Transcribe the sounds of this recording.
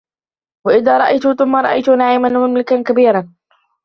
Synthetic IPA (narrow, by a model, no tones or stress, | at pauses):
waʔɪðaːɾˤɑʔajt̪ʊθʊmːaɾˤɑʔajt̪ʊnaʕiːmanmamlɪkankabiːɾɑn